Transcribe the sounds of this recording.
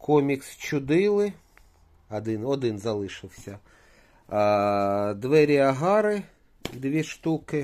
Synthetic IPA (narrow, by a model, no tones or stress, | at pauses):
kʰɔmʲikst͡ʃʊd̪ɪlˠɪ | ɐd̪ɪnɔd̪ɪnzɐlˠɪʃɪwsʲɐ | d̪ʋɛɾʲɐɦɑɾɪ | d̪ʋʲiʃt̪ukɪ